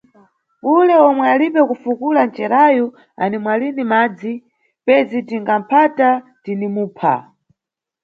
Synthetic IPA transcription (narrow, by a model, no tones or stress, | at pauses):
ulɛɔmwɛalipɛkufukulant͡ʃɛɾajɔ | a̰nimwalinimaːd͡zi | pɛzitiŋɡam̩pʰatatinimuːpʰa̰